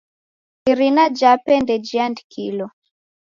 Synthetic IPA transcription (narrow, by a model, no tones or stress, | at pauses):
iɾinad͡ʒapɛndɛd͡ʒiandkʰilɔ